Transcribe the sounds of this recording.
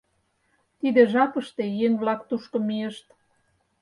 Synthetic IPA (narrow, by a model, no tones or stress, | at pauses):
t̪id̪ĕʒɑpə̆ʃt̪ejeŋβlɑkt̪uʃkŏmijeʃt̪